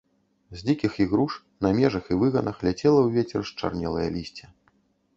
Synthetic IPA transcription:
zʲlʲikʲixiɣɾuʂ | nɐmʲɛʐɐxivɨɣɐnɐxlʲat͡sʲɛlˠɐwvʲet͡sʲɛrʂt͡ʂa̰rnʲɛlˠɐjɐlʲisʲt͡sʲɛ

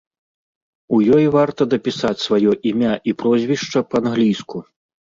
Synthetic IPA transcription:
ujɔjvart̪ɐd̪ɐpʲisat͡sʲsvajɔʔimʲaʔipɾɔzʲvʲiʂt͡ʂɐpɐːnɣlʲisku

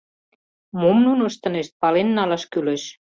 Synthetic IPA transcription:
momnunəʃt̪ɤ̆neʃt̪̚pɑlenːɑlɑʃkyleʃ

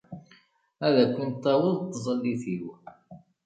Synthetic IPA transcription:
æðækʷːʊnt̪ːæwəðt̪ːzˤəlːiθiuħ

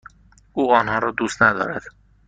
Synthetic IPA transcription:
uːɒːnhɒːɾɒːd̪uːst̪næd̪ɒ̰ːɾæd̪̥

